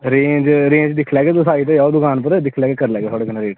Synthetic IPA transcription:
ɾẽːɲd͡ʒɾẽːɲd͡ʒd̪ɪkʰlɛːɡeːd̪əsaːit̪ejaːod̪ʊkaːnp̬əɾd̪ɪkʰlɛːɡeːkəɾlɛːɡeːt̪ʰoːɽeːkənaːɾeːʈː

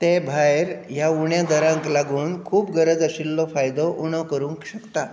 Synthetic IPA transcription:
t̪ebʱaeɾjauɳjad̪əɾãŋklaɡuːnkʰuːpɡəɾəd͡zəɕilːɔfajd̪ɔʔunɔkəɾuŋkɕəkt̪a

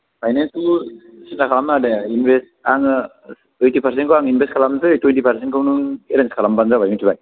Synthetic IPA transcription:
pʰajnensu | sindakʰalamnadeinbes | aŋ | əjtipʰaɾs̬enkoaŋinbʱeskʰalamsɯtwenʈipʰaɾsenkonuŋeɾenskʰalambanzabʱajmutʰibaj

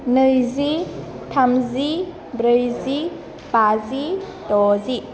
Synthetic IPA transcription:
nɯjzi | tʰamzi | bɾəjzi | pazi | tɔzi

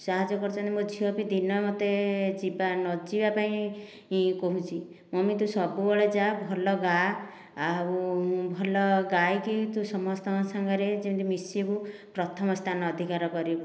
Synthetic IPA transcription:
saɦad͡ʒɔkɔɾt͡ʃʰɔnt̪imod͡ʒʱiwɔpid̪inɔmot̪ed͡ʒibanɔd͡ʒibapaĩ | koɦũt͡ʃʰi | mɔmit̪̬ũsɔbubɔɭed͡ʒabʱɔlɔɡa | aubʱɔlɔɡajkit̪ũsɔmɔst̪ʰɔŋsaŋɡʱaɾed͡ʒit̪imisiekupɾɔt̪ʰɔmɔst̪ʰanɔːd̪ʱikaɾɔkɔɾib

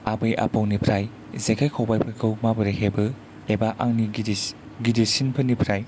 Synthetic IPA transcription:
abɯjʔa̰pawnipʰɾaj | zekʰajkʰawbajpʰɯkʰɯwmabɯɾeɦebɯ | ebaʔaŋniɡ | ɡidisinpʰɯnipʰɾaj

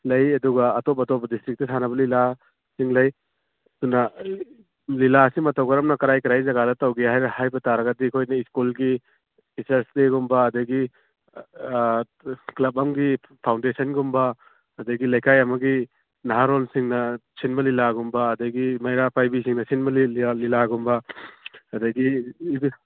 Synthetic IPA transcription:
lɐjɐduɡɐːtop̚ɐtɔp̚ːɐdistɾik̚tɐsʰanɐbɐlila | siŋlɐj | tunɐ | lilaɐsimɐtɐwɡɐɾɐmnɐkɐɾajkɐɾajzɐɡalɐtawɡiɦajɾɐhajbɐtaɾɐɡɐdikʰojnɐiskulɡi | isɐɾsleɡumbɐːdɐɡi | klɐb̚ɐmɡi | pʰawndesɐnɡumbɐː | dɐɡilɐjkajɐmɐɡi | naɦaɾolsiŋnɐsinmɐlilaɡumbɐːdɐɡimɐjɾapʰajbisiŋnɐsinmɐlilaɡumbɐ | ɐdɐɡibi

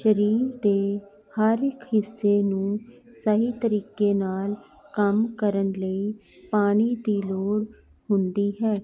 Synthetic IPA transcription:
ʃəɾiːɾd̪eː | haːɾɪkɦɪsːeːnũːsəɦiːt̪əɾiːkeːnaːl | kəmkəɾənləiː | paːñiːd̪iːloːɽ | hʊnd̪iːɦɛː

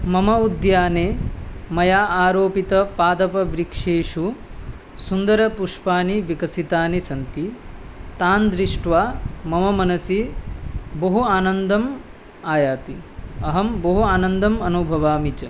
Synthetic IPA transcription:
mɐmɐud̪jaːneːmɐjaːʔaːɾoːpit̪ɐpaːd̪ɐpɐʋɾikʂeːʂu | sund̪ɐɾɐpuʂpaːniʋikɐsit̪aːnisɐnt̪it̪aːnd̪ɾiʂʈʋaːmɐmɐmɐnɐsi | bɐɦuaːnɐnd̪ɐm | aːjaːt̪iɐɦɐmbɐɦuaːnɐnd̪ɐmɐnubʱɐʋaːmit͡ʃɐ

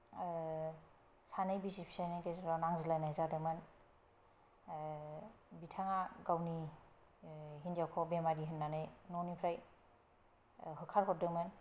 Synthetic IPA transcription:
sanɯjbisipʰi̥sajnajkezaɾɔnaŋzilajnajzadɯmɯn | bitʰaŋaɡawni | ɦindijawkʰɔbemaɡiɦɯnːanɯjnɔnipʰɾaj | ɦɯkʰaɾɦɔt̚dɯmɯn

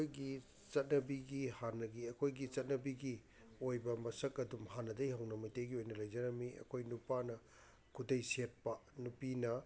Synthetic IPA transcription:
kojɡi | t͡ʃɐt̚nɐbiɡihanɐɡiɐkʰojɡit͡ʃɐt̚nɐbiɡi | ojbɐmɐsɐkɐdumhanɐdɐjhɐwnɐmɐjtejɡiojnɐlɐjd͡ʒɐɾɐmiʔɐ̰kʰojnupanɐ | kʰudɐjset̚pɐnupinɐ

